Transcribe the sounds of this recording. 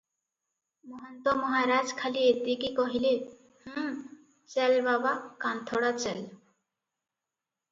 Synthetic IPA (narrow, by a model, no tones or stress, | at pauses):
mɔɦont̪omɔɦaɾad͡ʑkʰalieɾd̪ikikɔɦile | h̩ | t͡ɕɛlbabakant̪ʰoɽat͡ɕɛl